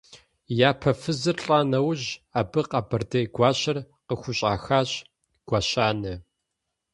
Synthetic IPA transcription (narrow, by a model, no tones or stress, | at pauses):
jaːpʰɐfɨzɨrɬʼaːnɐwʑaːbɨqaːbɐrdɐjɡʷɑːɕɐr | qəxʷʊɕʼa̰ːxaːɕ | ɡ̥ʷaɕaːnɐ